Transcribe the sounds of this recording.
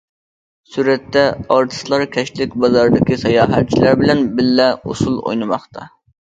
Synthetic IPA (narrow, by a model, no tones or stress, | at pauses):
syɾɛt̪ːɛɑɾt̪ʰɨ̥slˠɑɾkʲʰɛʃt̪lɪkʲbɑzɑɾd̪ɪkʲisɑjɑːɦɛt̪̚t͡ʃʰilæɾbɪlɛnbɪlːɛo̰sulˠo̰jnɨmɑχt̪ʰɑ